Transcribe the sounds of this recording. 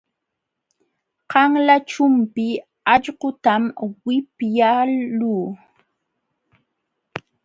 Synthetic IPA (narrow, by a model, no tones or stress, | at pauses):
qɑŋlat͡ʃʊmpɪ | aʎɢʊt̪amwɪpjaluː